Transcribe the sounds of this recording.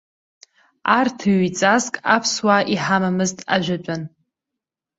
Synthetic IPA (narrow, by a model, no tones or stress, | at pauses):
artʰɨɥt͡sʼazkʼapʰswaʔiħamamɨztʼa̰ʒᶣʷat͡ʃʷʼan